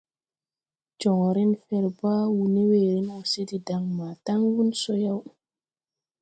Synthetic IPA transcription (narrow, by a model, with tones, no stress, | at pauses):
t͡ʃɔ˨ŋɔ˨ɾe˦nfɛ˨ɾba˦wu˨ne˦we˨ɾi˦no˨se˦di˨da˨ŋmaː˨ta˦ŋwu˦nso˦ja˦w